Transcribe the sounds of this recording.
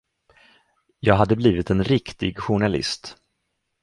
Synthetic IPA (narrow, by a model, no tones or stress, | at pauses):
jɑːɡɦad̪ːəbliːvɪt̪ɛnɾɪkt̪ɪɡɧʊɳalɪ̰st̪